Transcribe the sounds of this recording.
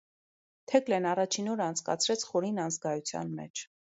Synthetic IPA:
t̪ʰɛklɛnɑrɑt͡ʃʰinɔɾəɑnt͡sʰkɑ̰t͡sʰɾɛt͡sʰχɔɾinɑnd͡zɡɑjut͡sʰjɑ̰nmɛ̰t͡ʃʰ

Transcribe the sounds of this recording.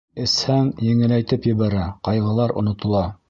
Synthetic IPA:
ɘ̆shæŋjɘ̆ŋɘ̆læjt̪ɘpjɘ̆βæɾæqɑjʁɤ̆lˠɑɾʔŏ̰nŏt̪ŏlˠɑ

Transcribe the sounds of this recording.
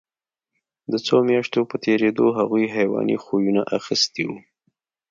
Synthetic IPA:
d̪ət͡somjɑʃt̪opət̪ʰeɾed̪oɦaɣujɦajwɑ̰nḭxojunaʔaxəst̪iwu

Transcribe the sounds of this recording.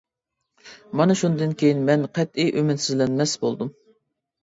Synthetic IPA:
mɑnɨʃund̪ɨnkʲʰejinmɛnqʰɛt̪iʔømɪt̪sɪzlɛnmɛsbolˠd̪um

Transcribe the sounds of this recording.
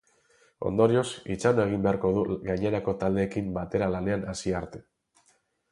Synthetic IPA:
o̞̰nd̪o̞ɾio̞sit͡ʃanoe̞ɣ̞imbeaɾko̞ð̞uɣajɲe̞ɾako̞t̪ald̪e̞ːkimbat̪e̞ɾalane̞anasiaɾt̪e̞

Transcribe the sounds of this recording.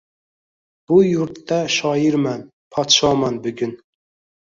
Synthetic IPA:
b̥ujuɾt̪ːɑʃɑːjiɾmæn | pʰɑt̪ʃɑmɑnbyɡʲyn

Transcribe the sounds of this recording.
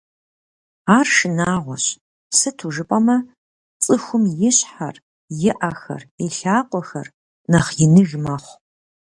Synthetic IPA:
aːrʃɨnaːʁʷɔɕ | sɨtʰuʒɨpʼɐmɐ | t͡sʼɨxʷʊmjɪɕħar | jɪʔɐxɐ̰reɬaːqʷʼɔxɐ̰r | nɐχjɪnɨʒmɐχʷ

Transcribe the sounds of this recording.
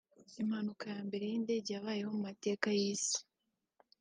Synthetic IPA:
im̥hanukajaːmbe̞ɾe̞jiːnde̞ɟaːβaːje̞ho̞mumate̞ːkajiːsi̥

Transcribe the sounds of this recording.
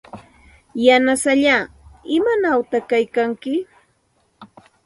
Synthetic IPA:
janasaʎaː | ɪmanawt̪aχkajkaŋkɪ

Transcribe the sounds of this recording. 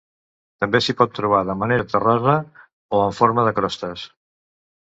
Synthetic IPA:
t̪əmbesipɔt̪ːɾuβ̞aðəməneɾət̪ərɔzə | oəɱfoɾməðəkɾɔst̪əs

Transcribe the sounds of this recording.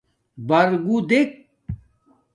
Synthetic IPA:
bɐɾɡud̪ek̚

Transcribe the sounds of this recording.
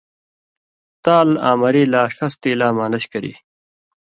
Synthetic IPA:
t̪aːla̰ːmɐɾiːlaːʂɐst̪iːlaːmaːlɐɕkɐɾḭː

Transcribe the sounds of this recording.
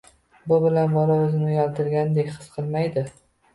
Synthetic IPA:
bʊbɪlanbɒlaɵzɪnʊjɒlt̪ʰɪɾɡʲand̪ekʲχɨsqʰɨlˠmajd̪ɪ

